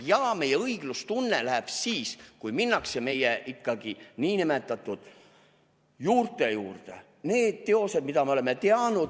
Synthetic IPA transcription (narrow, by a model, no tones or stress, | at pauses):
jɑːme̞jeɤiɡ̥lust̪unːelæɦeb̥siːskujminːɑkseme̞jeʔikːɑɡ̥iniːnimet̪ːˑɑt̪ˑud̪̥ | juːrt̪e̞juːrt̪ḛ | neːd̪̥t̪e̞o̞sed̪mid̪ɑmeole̞mːe̞t̪eɑnud̪̥